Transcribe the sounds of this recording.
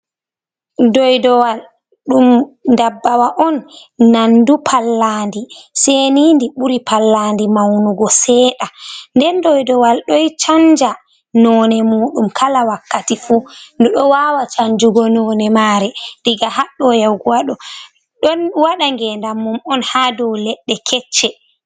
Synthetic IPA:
dɔjdɔwal | ɗumdabːawaʔɔnː | andupʰalːandisenindiɓuɾipʰalːandimawnuɡɔsɛːɗandɛndɔjdɔwalɗɔjt͡ʃand͡ʒa | nɔːnɛmuːɗumkʰalawakːatifundɔɗɔwawat͡ʃaɲd͡ʒuɡɔnɔːnɛmaːɾɛɾiɡahaɗːɔjawɡuwaɗɔ | ɗɔnwaɗaŋɡɛndamːumɔnhadɔwlɛɗːɛkʰɛt͡ʃːɛ

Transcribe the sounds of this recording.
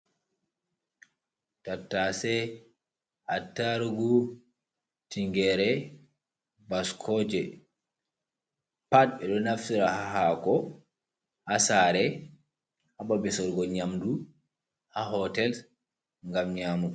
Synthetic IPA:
tatːasɛ | ʔatːaɾɡu | tiŋɡɛɾɛ | baskʰɔd͡ʒɛ | pat̚ɓɛɗɔnafsiɾahaɦakɔ | hasaɾɛ | hababɛsɔɾɡɔɲamdu | haɦɔtɛl | ŋɡamɲaːmu

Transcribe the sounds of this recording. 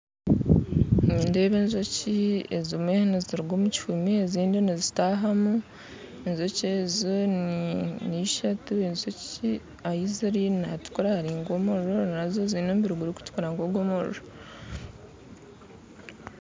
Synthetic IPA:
niːndeːβeːnzociḛzimwehniziɾuɡomuci̥fumieziːndinizitaɦamu | enzocezonniʃatuenzoci | ajiziɾinatu̥kuɾahaɾiːŋɡo̞moɾonazozinoːmbiɾuɡuɾiku̥tu̥kuɾaŋɡoɡomoɾo

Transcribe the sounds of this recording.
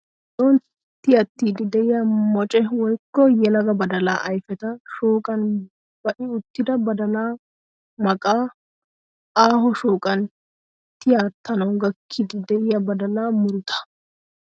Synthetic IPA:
soːn | t̪ːɪjɐt̪ːiːd̪ɪd̪ɛʔɪjamɔt͡ʃʼɛwɔjkːɔjɛlɐɡɐbɐd̪ɐlaːʔɐjfɛt̪ɐʃoːkʼɐn | b̥ɐʔɪʊt̪ːɪd̪ɐbɐd̪ɐlaː | mɐkʼaː | aːɦɔʃoːkʼɐn | t̪ɪjaːt̪ːɐnɐwɡɐkʰːɪd̪ɪd̪ɛʔɪjɐbɐd̪ɐlaːmʊɾʊt̪ʰɐ̥

